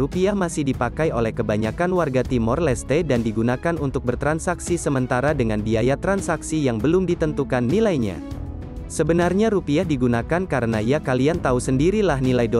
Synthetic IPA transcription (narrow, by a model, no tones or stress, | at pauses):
upiahmasɪhdipakajolɛhkəbaɲakanwarɡat̪imɔrlɛst̪edandiɡunakanunt̪ʊk̚bərt̪ɾansaksisəmənt̪aɾadəŋanbiajat̪ɾansaksijaŋbəlʊmdit̪ənt̪ukanːilajɲa̰ | səbənarɲaɾupiahdiɡunakankaɾənaiakaliant̪ausəndiɾilahnilajdo